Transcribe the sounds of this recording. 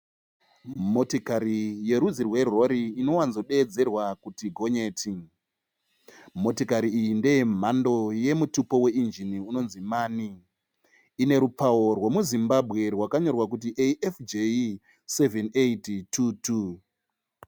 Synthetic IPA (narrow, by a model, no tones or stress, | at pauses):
mo̞tokaɾije̞ɾud͡zirwe̞ro̞ɾiːno̞wanzo̞ɗe̞ːd͡ze̞rwakutiɡʱo̞ɲe̞ːti | mo̞tokaɾiːjinde̞em̤ando̞je̞mutupo̞we̞ind͡ʒiniuno̞nzimaːniː | ne̞ɾupawo̞rwe̞muzimbabʱɣe̞rwakaɲo̞rwak̬ut̬iʔeʔefd͡ʒe | se̞veneittʰutu